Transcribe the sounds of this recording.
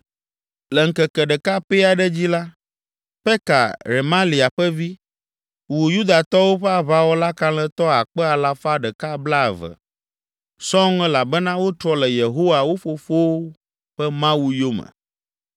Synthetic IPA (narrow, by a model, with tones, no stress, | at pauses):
lɛ˨ŋ̩˨kɛ˨kɛ˨ɖɛ˨ka˦pe˦a˨ɖɛ˦d͡ʑi˦la˦ | ɸɛ˦ka̰˨ɾe˨mã˦li˨a˨ɸɛ˦vi˦ | wu˨ju˦d̪a˨t̪ɔ˦wo˦ɸɛ˦a˨βa˦wo˦la˦kã˦lɛ˦t̪ɔ˦a˨k͡pɛ˦a˨la˦fa˦ɖɛ˨ka˦bla˦˨və̰˨ | sɔ˦ŋɛ˦la˨bɛ˦nã˦wo˦t̪ɾɔ˦lɛ˨je˨ɦo˦wa˨wo˦fo˦fo˦ | ɸɛ˦mã˦wu˦jo˦mə̰˨